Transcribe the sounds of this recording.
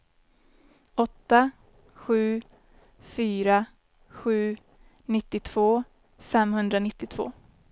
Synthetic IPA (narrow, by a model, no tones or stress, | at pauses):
ɔt̪ːa | ɧʉ̟ː | fyːɾa | ɧʉ̟ː | nɪt̪ːɪt̪ʰv̥oː | fɛmhɵnd̪ɾanɪt̪ːɪt̪ʰv̥o̰ː